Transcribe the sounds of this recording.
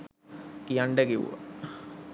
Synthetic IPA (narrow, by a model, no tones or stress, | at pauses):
kijaɳɖəkiʋṵʋə̰